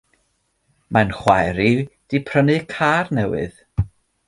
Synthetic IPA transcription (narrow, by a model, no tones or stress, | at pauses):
mʔanχwajɾid̥ipʰrənɨkʰaːrnɛwɨ̰ð̥